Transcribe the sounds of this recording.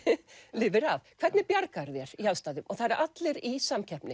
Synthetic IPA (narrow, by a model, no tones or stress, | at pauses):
lɪːvɪɾavkʰvɛɾt̪nɪpjaɾkaɾðjɛɾ̥iawst̪aːðʏmʔɔθaðɾɛɾʔat̪lɪɾisamcʰɛhpnɪ